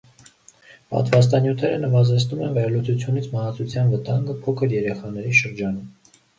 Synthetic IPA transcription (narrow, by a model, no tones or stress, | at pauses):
pɑ̰t̪vɑs̬t̪ɑnjut̪ʰɛɾənəvɑzɛt͡sʰnumɛnvɛɾlut͡sʰut͡sʰjunit͡sʰmɑhɑt͡sʰut͡sʰjɑnvət̪ɑŋɡəpʰɔkʰəɾjɛɾɛχɑnɛɾiʃəɾd͡ʒɑnum